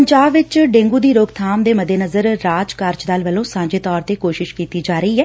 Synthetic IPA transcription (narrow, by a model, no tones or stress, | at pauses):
əɲd͡ʒaːbʋɪt͡ʃɖẽːŋɡuːd̪iːɾoːɡt̪ʰaːmd̪eːməd̪eːnəzəɾːaːd͡ʒkəɾt͡ʃd̪aːlʋəlõːsãːɲd͡ʒeːt̪ɔːɾt̪eːkoːʃɪʃkiːt̪iːd͡ʒaːɾəiːɦɛː